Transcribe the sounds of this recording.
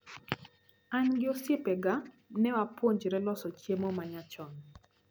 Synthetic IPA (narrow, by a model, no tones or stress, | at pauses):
aɲɡɪosjepɛɡa | nɛwapwoɲd͡ʒɾɛlɔsɔt͡ʃjemɔmaɲat͡ʃɔn